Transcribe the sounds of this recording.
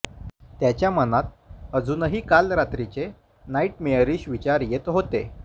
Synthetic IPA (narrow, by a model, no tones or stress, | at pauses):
t̪jat͡ɕjamənat̪̚əd͡zuːnəɦiːkalɾat̪ɾit͡se | naiʈmeəɾiːɕʋit͡ɕaɾjet̪ɦot̪e